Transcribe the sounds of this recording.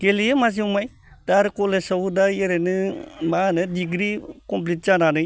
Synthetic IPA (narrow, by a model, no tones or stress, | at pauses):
kelijɯmas̬iumaj | daɾkolesawudajeɾenɯmanɯdiɡɾikɔmp̬lit̚zananɯj